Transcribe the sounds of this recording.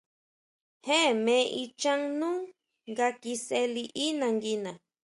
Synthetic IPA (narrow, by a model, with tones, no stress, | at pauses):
he˦mẽ˦ʔit͡ʃa˦ŋnu˦ŋ | ɡa˧ki˧se˦liʔi˦naŋɡi˦na